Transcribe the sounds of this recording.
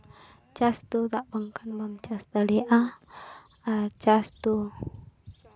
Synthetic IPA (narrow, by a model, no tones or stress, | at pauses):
t͡ʃast̪ut̪aʔbəŋkanbamt͡ʃast̪aliʔa | at͡ʃast̪u